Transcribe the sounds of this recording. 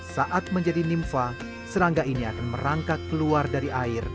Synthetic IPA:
saʔat̪̚məɲd͡ʒadinimfa | səɾaŋɡainiakanməɾaŋkat̪̚kəluardaɾiʔaɪr

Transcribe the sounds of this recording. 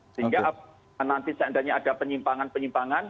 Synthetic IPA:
səɦiŋɡa | nant̪isand̪aɲaad̥apəɲimpaŋanpəɲimpaŋan

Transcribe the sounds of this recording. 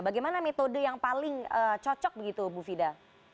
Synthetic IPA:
baɡajmanamet̪odəjaŋpalɪŋət͡ʃɔt͡ʃɔk̚bəɡit̪ubufida

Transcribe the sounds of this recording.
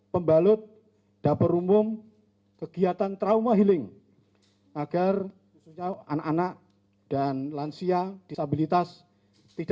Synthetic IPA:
pəmbalʊt̪̚ | d̥apəɾumʊm | kəɡ̥iat̪ant̪ɾaumaɦilɪŋ | ʔaɡ̥ar | xususɲaa̰naʔanaʔ | d̥anlansiad̥ist̪abilit̪as | t̪id̥a

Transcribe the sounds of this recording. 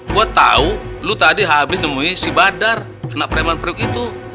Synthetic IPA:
buat̪ːa̰ulut̪adiɦabɪsnəmuisibadar | anak̚pəɾɛmanpɾiukit̪u

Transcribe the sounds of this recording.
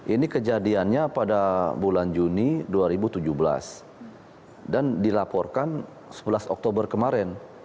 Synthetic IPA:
ʔinikəd͡ʒadianɲapadabuland͡ʒuniduaɾibut̪ud͡ʒuhbəla̰s | dandilapɔrkan | səbəlasɔk̚t̪obərkəmaɾɛn

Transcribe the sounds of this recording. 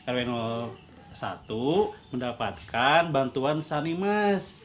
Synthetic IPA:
ɛɾwɛnɔl | sa̰t̪uməndapat̪̚kʰanbant̪uansanimas

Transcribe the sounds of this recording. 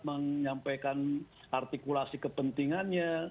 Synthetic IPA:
məŋɲampajkan | art̪ikulasikəpənt̪iŋanɲa

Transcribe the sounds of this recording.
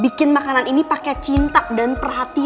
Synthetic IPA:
bikɪnmakananinipakɛt͡ʃint̪adanpərɦat̪i

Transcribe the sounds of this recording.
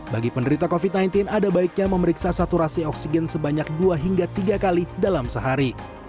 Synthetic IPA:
baɡipəndəɾit̪akofit̪̚najnt̪ɪnadabaik̚ɲaməməɾiksasat̪uɾasiɔksiɡɛnsəbaɲak̚duaɦiŋɡat̪iɡakalidalamsəɦaɾi

